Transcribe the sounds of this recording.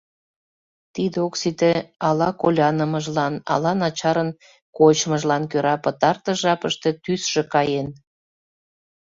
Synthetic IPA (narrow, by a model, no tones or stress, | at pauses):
t̪id̪eoksit̪eɑlɑkolʲɑnəməʒlɑnɑ̰lɑnɑt͡ɕɑɾən | kot͡ɕməʒlɑnkøɾɑpət̪ɑrt̪əʒɑpəʃt̪et̪ysʃekɑjen